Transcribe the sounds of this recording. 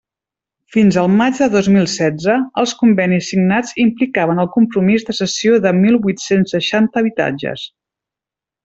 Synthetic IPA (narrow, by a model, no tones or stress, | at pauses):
finzəlˠmad͡ʒðəðozmilˠsɛd͡zəːlˠskumbɛnisːiɡnad͡zimplikaβənəlˠkumpɾumizðəsəsioðəmilˠβujt̪sensːəʃant̪əːβit̪a̰d͡ʒə̰s